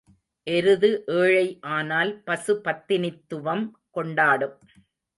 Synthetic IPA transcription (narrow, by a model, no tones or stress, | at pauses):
ʔɛɾɯðɯʔeːɻɐɪʔaːnaːlpɐsɯpɐt̪ːɪnɪt̪ːɯʋɐm | kɔɳɖaːɽɯm